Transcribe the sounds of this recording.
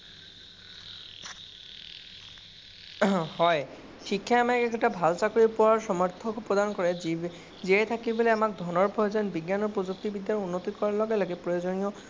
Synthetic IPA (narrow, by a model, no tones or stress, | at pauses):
hɔj | xikʰːjaamakɛkɛtabʱalsakoɹipɔwaɹsɔmɔɹt̪ʰɔkɔpɔd̪ankɔɹɛ | ziɛjt̪ʰakibɔlɛamak̚d̪ʱɔnɔɹpʰɔjzɔnbiɡjanɔɹpɔzuk̚t̪ibid̪jaɹunːot̪ikɔɹalɔɡɛlaɡɛpɹɔjozɔniɔ